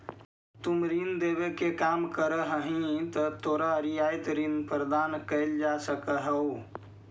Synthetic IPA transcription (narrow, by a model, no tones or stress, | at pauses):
t̪umɾind̪eβekekamkəɾəɦəɦĩt̪ət̪oɾaɾijajt̪ɾinpɾəd̪ankəɪld͡ʒasəkəɦəu